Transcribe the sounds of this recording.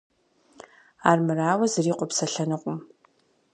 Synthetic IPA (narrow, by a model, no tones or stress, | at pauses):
aːrmɨraːwɐzɨriːqʷʼɔpsɐɬɐnɨqʷʼʊm